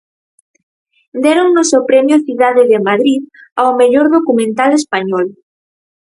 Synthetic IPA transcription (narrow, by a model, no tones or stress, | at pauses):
d̪eɾoŋnosewpɾɛmjoθiðaðeðemaðɾiðawmeʎoɾðokumẽnt̪alespaɲɔl